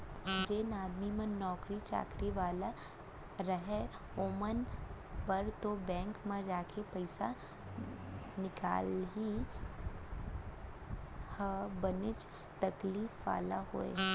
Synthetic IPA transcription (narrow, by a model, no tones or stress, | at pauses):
d͡ʒeːnaːd̪mimə̃nɔːkɾit͡ʃa̰ːkɾiʋaːla | ɾəɦe | oːmənbəɾt̪obɛ̃ːŋkmẽd͡ʒaːkʰepəɪsa | nɪka̰ːlɦi | həbənɪt͡ʃ | t̪ɐkliːfʋa̰ːlaɦo̰ːḛ